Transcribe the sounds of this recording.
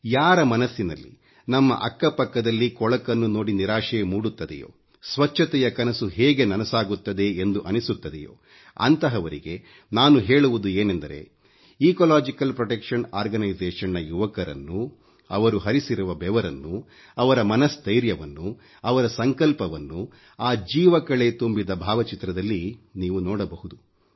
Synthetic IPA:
jaːɾɐmɐnɐsːinɐlːḭ | nɐmːɐ̰ʔɐkːɐpɐkːɐd̪ɐlːikɔɭɐkɐnːuno̞ːɽiniɾaːʂɛjɐmuːɽut̪ːɐd̪ɛ̰jo̰ː | sʋɐt͡ʃʰːɐt̪ɛjɐkɐnɐsuɦeːɡe̞nɐnɐsaːɡut̪ːɐd̪e̞end̪uʔɐnisut̪ːɐd̪ɛ̰jo̰ː | ɐ̰nt̪ɐɦɐʋɐɾiɡe̞ | naːnuɦeːɭuʋud̪ueːnend̪ɐɾe̞̰ | iːkolaːd͡ʒikɐlpɾɔʈekʂɐnaːɾɡɐnɐjd͡ʒɛːʂɐnɐjuʋɐkɐɾɐ̰nːu | ɐ̰ʋɐɾuɦɐɾisiɾuʋɐbɛʋɐɾɐnːu | ɐʋɐɾɐmɐnɐsd̪ɐjɾjɐʋɐnːu | ɐʋɐɾɐsɐŋkɐlpɐʋɐnːu | aːd͡ʒiːʋɐkɐɭet̪umbid̪ɐbʱaːʋɐt͡ʃit̪ːɾɐd̪ɐlːiniːʋunɔːɽɐbɐhud̪u

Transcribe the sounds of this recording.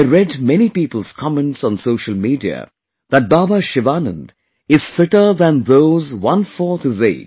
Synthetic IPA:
ɪɹɛdmɛnipiːpəl̩z̥kʰɑmɛ̃ntsn̩soʊʃəlˠmiːdiə̰ | ðət̚baːbaʃɪʋanə̰̃nd̪ | ɪz̥fɪʈə˞ðə̃nðoʊzwʌ̃nfɔɹθɨzḛɪd

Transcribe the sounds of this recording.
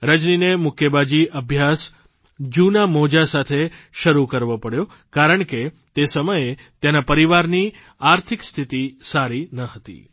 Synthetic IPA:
ɾəd͡ʒninemʊkʰjəbad͡ʒiʔəbʱjas | d͡ʒunamod͡ʒasat̪ʰeʃəɾukəɾʋopəɽjo | kaɾəɳke | t̪esəməje | t̪enapəɾiʋaɾni | aɾt̪ʰikst̪ʰit̪isaɾinəɦət̪ḭ

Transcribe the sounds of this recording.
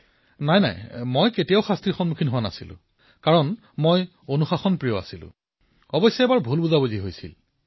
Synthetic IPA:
najna̰jmojketijaʊxastɹiɹxɔnmukʰinɦowana̰silʊ̰̃ | kaɹɔn | moj | onuxaxɔnpɹijɔa̰silʊ̰̃ | ɔbɔsjɔɛbaɹbʱulbuzaboziɦojsḭl

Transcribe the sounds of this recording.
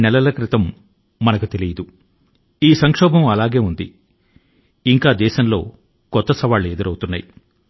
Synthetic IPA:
nɛlɐlɐkɾit̪ɐmː | ɐnɐkut̪e̞lijɐd̪u | iːsɐŋkʂɔːbʱɐmɐlaːɡe̞ːund̪i | iŋkaːd̪ɛːʃɐmlo̞̰ː | kɔt̪ːɐsɐʋaːɭːed̪uɾɐwt̪unːa̰ːji

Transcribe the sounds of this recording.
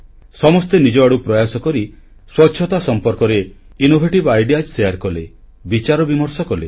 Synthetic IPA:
sɔmɔst̪enid͡ʒɔaɽupɾɔjasɔkɔɾi | swɔtːʃʰɔt̪asɔmpɔɾkɔɾe | inobʱeʈibajɖiad͡ʒsejaɾkɔle | bit͡ʃaɾɔbimɔɾsɔkɔle

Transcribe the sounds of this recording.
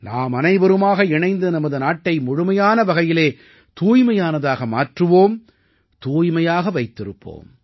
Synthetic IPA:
naːmɐnɐɪbɐɾɯmaːɣɐɪɳɐɪnd̪ɯnɐmɐðɯnaːʈːɐɪmʊɻʊmɐjaːnɐʋɐɣɐjɪleː | t̪uːjmɐjaːnɐðaːɣɐma̰ːʈrɯʋoːm | t̪uːjmɐjaːɣɐʋɐɪt̪ːɪɾɯpːo̰ːm

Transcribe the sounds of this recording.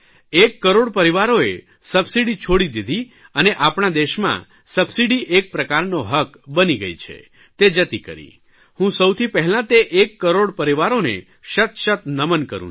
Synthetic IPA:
ekːəɾoɽpəɾiʋaɾoe | səbsiɽit͡ʃʰoɽid̪id̪ʱi | əneʔapɳ̃ad̪eʃmã̰ | səbsiɖiʔek̚pɾəkaɾnoɦəkbəniɡə̰jt͡ʃʰḛ | t̪ed͡ʒət̪ikə̰ɾḭ | hũsəwt̪ʰipɛɦɛlãt̪eʔekːəɾoɽpəɾiʋaɾonḛ | ʃət̪ʃət̪nəmənkə̰ɾṵ̃

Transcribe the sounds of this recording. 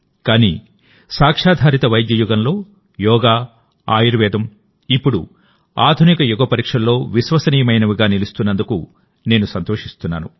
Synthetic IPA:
kaːnḭː | saːkʂaːd̪ʱaːɾit̪ɐʋɐjd̪jɐjuɡɐnlo̞ː | jɔːɡaː | aːjiɾʋɛːd̪ɐm | ipːuɽṵ | aːd̪ʱunikɐjuɡɐpɐɾiːkʂɐnlo̞ːʋisʋɐsɐniːjɐmɐjnɐʋiɡaːnilist̪unːɐnd̪uku | ne̞ːnusɐnt̪oːʂist̪unːa̰ːnṵ

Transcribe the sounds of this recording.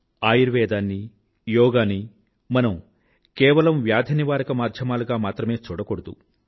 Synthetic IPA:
aːjiɾʋɛːd̪aːnːi | jɔːɡaːni | mɐnɐm | kɛːʋɐlɐmʋjaːd̪ʱɐniʋaːɾɐkɐmaːd̪ʱjɐmaːluɡaːmaːt̪ɾɐme̞ːt͡ʃuːɽɐkoɽɐd̪ṵ

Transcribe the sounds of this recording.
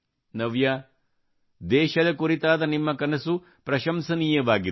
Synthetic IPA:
nɐʋja | d̪ɛːʃɐd̪ɐkuɾit̪aːd̪ɐnimːɐkɐnɐsu | pɾɐʃɐmsɐniːjɐʋaːɡi

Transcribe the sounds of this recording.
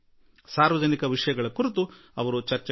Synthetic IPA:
saːɾʋɐd͡ʒɐnikɐʋiʂɐjɐɡɐɭɐkuɾit̪u | ɐʋɐɾut͡ʃɐɾt͡ʃɛ

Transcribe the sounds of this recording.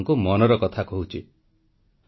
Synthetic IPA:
ŋkumɔnɔɾɔkɔt̪ʰakɔɦut͡ʃʰi

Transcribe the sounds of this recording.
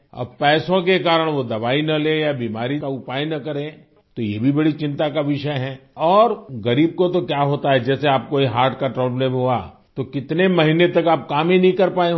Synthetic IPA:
ɐ̰b̚pɛːsõkekaːɾəɽ̃ʋod̪ɐbaːinɐlejabiːmaːɾikaʊpaːjnɐkɐɾẽ | t̪ojebʱibɐɽit͡ʃɪ̃nt̪akaʋɪʃəɦɛ̃ːɔːɾɣɐɾiːb̚kot̪okjaɦoːt̪aɦɛd͡ʒɛːseaːp̚koiɦaːɾʈʰkaʈɾɔːbleːmɦua̰ | t̪okɪt̪nemɐɦɪnet̪ɐkaːp̚kaːmɦinɐɦĩkɐɾpaːẽ

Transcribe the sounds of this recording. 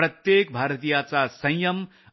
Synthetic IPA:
rʌt̪jek̚bʱaɾət̪ijat͡sasʌ̃j̃jʌm

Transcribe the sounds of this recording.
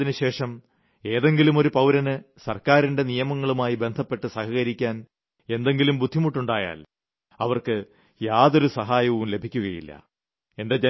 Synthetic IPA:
inɨɕe̞ːʂɐm | e̞ːðe̞ŋɡilumo̞ɾupɐwɾɐnɨsɐrkaːɾinɖe̞nijɐmɐŋːɐɭumaːjibe̞nd̪ʱɐpːe̞ʈːɨsɐhɐɣɐɾikʲːaːn | e̞nd̪eŋɡilumbud̪ʱːimuʈːuɳɖaːja̰ːl | ɐʋɐrkɨ | jaːðo̞ɾusɐɦaːjɐʋumle̞bʱikʲːuɣɐjḭlːɐ̰ | e̞nde̞d͡ʑe

